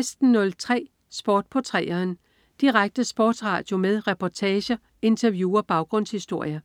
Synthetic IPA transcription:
esd̥n̩ːɔ̽lt͡sʰʁɛ̰ː | sb̥ɒːd̥̚pʰɒt͡sʰʁɛ̰ːɐːn | d̥iʁaɡ̥̚d̥əsb̥ɒ̰ːd̥sʁɑ̰̈ːd̥jo̝meðˠʁɛpʰɒt͡sʰɛːɕɐ | e̝nt͡sʰɐʋjuːɒb̥ɑ̈ʊɡ̥ʁɔ̽n̰shisd̥o̝ɐ̰jɐ

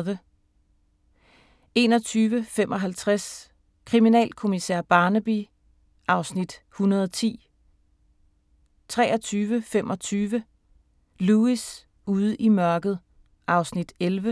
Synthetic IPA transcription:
ʋə | e̝ːnɒ̽t͡sʰyːʋəfem̰ʔɒ̽ɦælt͡sʰʁas | kʰʁiminɛ̰ːlkʰo̝misæɐ̰b̥ɑ̈ːnəb̥i | ʔɑ̈ʊsnid̥ | hunɐðˠɒt͡sʰḭː | t͡sʰʁɛːɒt͡sʰyːʋəfemʔɒ̽t͡sʰyːʋə | luis | uð̞ˠimɶɐɡ̥ð̞̩ˠ | ʔɑ̈ʊsnid̥elʋə

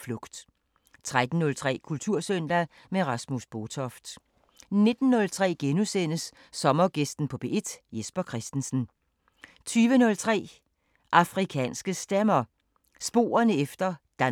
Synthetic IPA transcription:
flɔɡ̥d̥ | t͡sʰʁad̥n̩ːɔ̽lt͡sʰʁɛ̰ːkʰult͡sʰuɐ̰søn̰d̥æ | meʁɑ̈smusb̥ot͡sʰɒfd̥ | ne̝d̥n̩ːɔ̽lt͡sʰʁɛ̰ːɡ̥enusen̰əsː | ɒ̽mɐɡ̥esd̥n̩pʰɒ̽b̥e̝̰ʔed̥jesb̥ɐkʰʁɛsd̥n̩sn̩ | t͡sʰyːʋənɔ̽lt͡sʰʁɛ̰ː | ʔɑ̈fʁikʰɛ̰ːnsɡ̥əsd̥emɐ | sb̥o̝̰ːɐnəefd̥ɐd̥æ

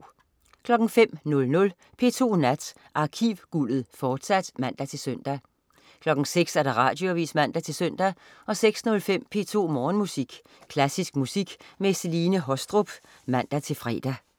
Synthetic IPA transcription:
kʰlɒ̽ɡ̥ŋ̩fem̰nɔ̽lnɔ̽l | pʰe̝̰ːt͡sʰo̝̰ːnæd̥ | ʔɑ̈ːkʰiʋɡ̥ulð̩ˠfɒːd̥sæd̥mæn̰d̥æt͡sʰe̝lsœn̰d̥æ | kʰlɒ̽ɡ̥ŋ̩seɡ̥sæɐɾ̥ɑ̈ʁɑ̰̈d̥jo̝æʋḭːsmæn̰d̥æt͡sʰe̝lsøn̰d̥æ | ʔɒ̽seɡ̥snɔ̽lfem̰pʰe̝̰ːt͡sʰo̝̰ːmɒːnmusiɡ̥ | kʰlæsisɡ̥musiɡ̥meseliːnəɦɒ̽sd̥ʁob̥ | mæn̰d̥æt͡sʰe̝lfʁɛ̰ːd̥æ

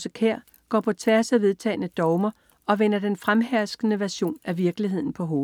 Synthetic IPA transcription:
səkʰeɐ̰ | ɡ̥ɒ̰ːpʰɒ̽t͡sʰʋæɐsæʋe̝ð̞ˠt͡sʰɛ̰ːɪnəd̥ɒʊmɐ | ɒ̽ʋenɐd̥enfʁamɦæɐsɡ̥ənəʋæɐɕo̝̰ːnæʋiɐɡ̥liɦe̝ð̞̰ˠn̩pʰɒ̽ɦo̝ː

